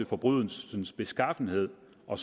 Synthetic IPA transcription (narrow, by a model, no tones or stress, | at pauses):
efɒ̽b̥ʁyð̰ˠənsb̥e̝sɡ̥ɑ̈fn̩he̝ð̞̰ˠ | ɒ̽s